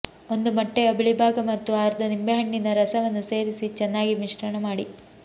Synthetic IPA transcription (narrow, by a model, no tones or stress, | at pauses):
o̞nd̪umɐʈːeɐbiɭibʱaːɡɐmɐt̪ːuaːɾd̪ɐnimbeɦɐɳːinɐɾɐsɐʋɐnːuse̞ːɾisit͡ʃɛnːaːɡimiʂʈɐɳɐmaːɽi